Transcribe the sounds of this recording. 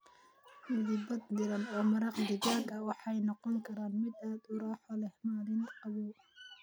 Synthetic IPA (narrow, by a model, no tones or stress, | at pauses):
mʊðiːbɐd̪d̪ɪɾɐnɔːmɐɾɑqd̪ɪɡaːɡɐwɑħɑɛjnɔqɔŋkʰɐɾaːnmɪd̪aːd̪ʊɾaːħɔlɛhmaːlɪnqɐβɔː